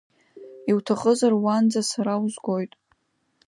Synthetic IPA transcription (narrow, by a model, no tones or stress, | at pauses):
iwtʰaχʼəzarwand͡zasaɾawzɡʷo̞jtʼ